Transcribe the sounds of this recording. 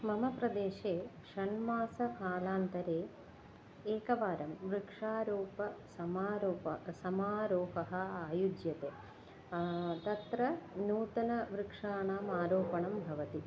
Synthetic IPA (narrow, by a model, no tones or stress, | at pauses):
mɐmɐpɾɐd̪eːʃeːkʂɐɳmaːsɐkaːlaːnt̪ɐɾeː | eːkɐʋaːɾɐmʋɾikʂaːɾoːpɐsɐmaːɾoːpɐsɐmaːɾoːɦɐɦɐ̆aːjud͡ʒjɐt̪eː | t̪ɐt̪ɾɐnuːt̪ɐnɐʋɾikʂaːɳaːmaːɾoːpɐɳɐmbʱɐʋɐt̪i